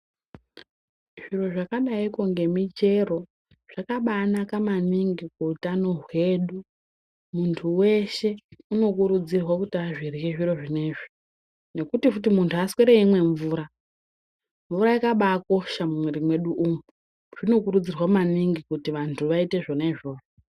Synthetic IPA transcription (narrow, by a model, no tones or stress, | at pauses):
ʐ̥iro̞ʐakaɗaikoŋɡe̞mit͡ʃe̞ro̞ | ʐ̥akaɓaːnakamaniŋɡikuːtano̞ɦwe̞ɗu | muntʰuwe̞ʃe̞uno̞kuɾud͡zirwakutiaʐirjeʐiro̞ʐine̞ːʐi̥ | ne̞kutifut̬imuntʰuaskeɾeimwe̞ɱvuːɾa | ɱvuɾaikaɓaːko̞ʃamumweɾimwe̞ɗuʔumu | ʐ̥ino̞kuɾud͡zirwamaniŋɡikutiʋantʰuʋaite̞ʐo̞neʐo̞ːro